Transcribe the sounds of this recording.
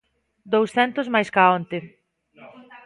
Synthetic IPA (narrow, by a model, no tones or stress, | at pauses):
d̪owsθɛnt̪ʊzmajskaont̪e